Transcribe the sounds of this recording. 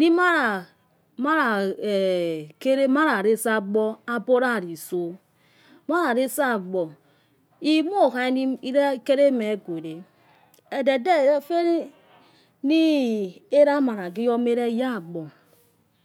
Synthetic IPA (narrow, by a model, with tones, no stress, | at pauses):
ni˦ma˦ɾa˨ | ma˦ɾa˨ | ke˦ɾe˦ma˦ɾa˨ɾe˦sa˦ɡ͡bɔ˦a˦bo˦ɾa˦˨ɾi˨so˦ | ma˦ɾa˨ɾe˦sa˦˨ɡ͡bɔ˨ | i˦mo˦˨ka˦i˦ni˦ɾke˦ɾe˦me˨˦ɡo˨ɾe˨ | e˨de˨de˦˨˦fe˦ | ni˦e˦ɾa˦ma˨ɾa˨ɡi˦jɔ˦me˦ɾe˦ja˦˨ɡ͡bɔ˨